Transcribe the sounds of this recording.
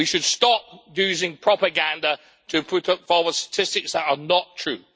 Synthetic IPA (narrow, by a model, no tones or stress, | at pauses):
wiʃəd̥stɒp̚jʉːzɪ̃ŋpʰɹ̥ɒpəɡãndə | tʰəpʰʊtfɔːwəd̥stə̥tʰɪstɪksðətənətʰɹ̥ʉː